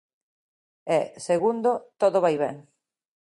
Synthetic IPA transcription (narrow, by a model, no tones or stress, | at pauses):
ɛseɣund̪ʊt̪oðʊβajβɛ̰ŋ